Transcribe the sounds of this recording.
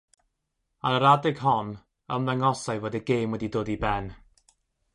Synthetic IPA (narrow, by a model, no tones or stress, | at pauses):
anəɾadɪɡ̥ɦɔn | əmðɛŋɔsajvoːdiɡejmwɛdidoːdibɛn